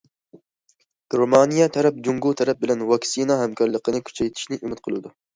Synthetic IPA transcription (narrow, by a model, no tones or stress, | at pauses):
ɡ̥ɾomɑnijɑt̪ʰɛɾɛp̚d͡ʒuŋɡut̪ʰɛɾɛp̚bɪlɛnwɑksinɑɦɛmkʰɑɾlˠəqənɨkʲʰy̥t͡ʃʰɛjt̪ʰi̥ʃnɪʔymɪt̪̚qʰəlˠud̪u